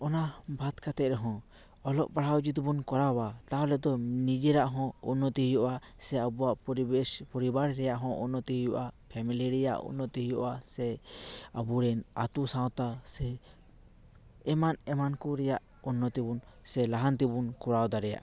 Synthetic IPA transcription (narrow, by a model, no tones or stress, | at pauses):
ɔnabʱat̪kat̪ɛʔɾɛɦɔ̃ | ɔlɔ̰ʔpaɽawd͡ʒit̪ubunkɔɾawat̪aɔlɛd̪ɔnid͡ʒɛɾaʔɦɔ̃ṵnːɔt̪iɦjɔʔa | sɛabuaʔpɔɾibaɾɾɛjaʔɦɔ̃ʔunɔt̪iɦjɔʔapʰɛmiliɾɛja̰ʔṵnːɔt̪iɦijɔʔasɛabuɾɛnat̪usãwt̪asɛ | manɛmankɔɾɛjaʔ | unːɔt̪ibunsɛlaɦant̪ibunkɔɾawd̪aɾɛja̰ʔ